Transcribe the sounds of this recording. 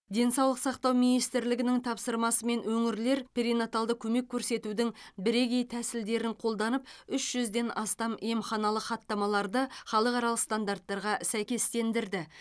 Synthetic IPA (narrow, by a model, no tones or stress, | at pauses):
d̪e̞nsɑwlˠəqsɑqt̪ɑwminijst̪ɪɾlɪɡʲɪnɪŋt̪ʰɑpsəɾmɑsəme̞nwɵŋɪɾle̞ɾpʰʲeɾinat̪alˠd̪əkʲʰɵme̞kʲʰːɵɾse̞t̪ud̪ɪŋbɪɾe̞ɡʲe̞jt̪ʰæsɪld̪e̞ɾɪŋqʰo̞lˠd̪ɑnəp̚ʏʃʒ̥ʏzd̪e̞nʔɑst̪ɑmemχɑnɑlˠəχɑt̪ːɑmɑlˠɑɾd̪əχɑlˠəqɑɾɑlˠəqst̪and̪art̪ːɑɾʁɑsæjkʲe̞st̪e̞nd̪ɪɾd̪ɪ